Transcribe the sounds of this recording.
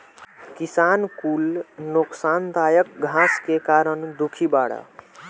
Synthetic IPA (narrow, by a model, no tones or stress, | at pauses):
kisankulnoksant̪ajək̚ɡʱaskekaɾənd̪ukʰibaɽa̰